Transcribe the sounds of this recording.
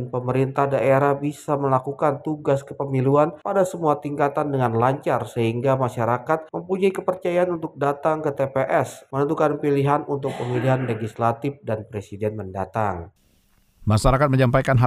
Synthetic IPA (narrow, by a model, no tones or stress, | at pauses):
npəməɾint̪ahdaʔeɾahbisaməlakukant̪uɡaskəpəmiluanpadasəmuat̪iŋkat̪andəŋanlaɲt͡ʃarsəɦiŋɡamaʃaɾakat̪̚məmpuɲaikəpərt͡ʃajaanunt̪ʊk̚dat̪aŋkət̪epeʔɛsmənənt̪ukanpiliɦanunt̪ʊk̚pəmiliɦanleɡislat̪ɪfdanpɾesidɛnmənda̰t̪aŋ | maʃaɾakat̪məɲampajkanɦa